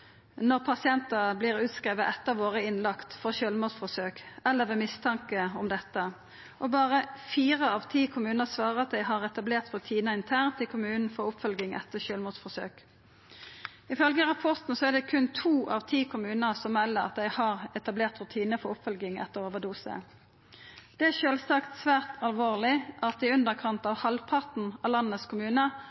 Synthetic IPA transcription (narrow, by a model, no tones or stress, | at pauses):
nɔʁpʰɑsɪɛnt̪əblɪːʁʉːt̪skɾeːʋəʔɛt̪ːəʋoːʁəɪnlɑkt̪fɔʁʃøːlmuːsfɔsøːkɛlːəʋeːmɪst̪ʰɑŋkəɔmd̪ɛt̪ːə | ʔɔbɑːʁəfiːʁəɑʋt̪ʰiːkʰʊmʉːnəsʋɑːʁəɑt̪̚d̪æɪɦɑʁɛt̪ɑbleːʁt̪ɾʉt̪ʰiːnəɪnt̪ʰæːʁnt̪ʰɪlkʰʊmʉːnn̩fɔʁʊpːfœlɡɪŋʔɛ̰t̪ːəɕøːlmuːfɔsø̰ːk | ɪfœlɡəʁɑpʰɔʁt̪n̩sɔæʁd̪ɛkʰʉnt̪ʰuːʔɑʋt̪ʰiːkʰʊmʉːnəsɔmʋɛlːəɾɑ̰t̪̚d̪ɛɪhɑʁɛt̪ɑbleːʁt̪ɾʉt̪ʰiːnəfɔʊpfœlɡɪŋɛ̰t̪ːəʁoːʋəd̪uːsə̰ | d̪̥ɛæʃøːlsɑkt̪sʋæːʁt̪ʰɑlʋoːʁlɪʔɑt̪̚d̪ɪʉnd̪əʁkʰɑnt̪ɑʋhɑlpʰɑʁt̪n̩ɑlɑnːəskʰʊmʉːnə